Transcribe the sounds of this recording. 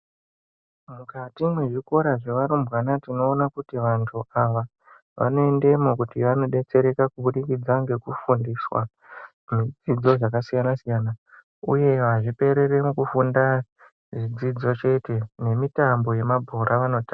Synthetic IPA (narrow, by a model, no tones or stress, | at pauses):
mukatimwe̞ʐiko̞ɾaʐeʋaɾombɣanatino̞ːnakutiʋantʰuaʋa | ʋʔa̰no̞e̞nde̞mokutiʋano̞ɗe̞t͡se̞ɾe̞kakuɓuɗikid͡zaŋɡe̞kufundiswa̰ | mid͡zid͡zo̞ʐakasijanasijana | ṵje̞ʋaʐipe̞ɾeɾemukufunda | ʐid͡zid͡zo̞t͡ʃe̞te̞ne̞mitambo̞je̞mabʱoɾʔaʋano̞ta